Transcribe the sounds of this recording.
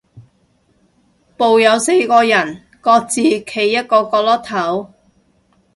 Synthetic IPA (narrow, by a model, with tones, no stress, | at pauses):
po˨wjɐ˨˧wse˧jkɔː˧jɐ˨˩n | kɔː˧k̚t͡siː˨˧kʰe˨˩jːɐ˥t̚kɔː˧kɔː˧lɔː˥k̚t̪ʰɐ˨˥w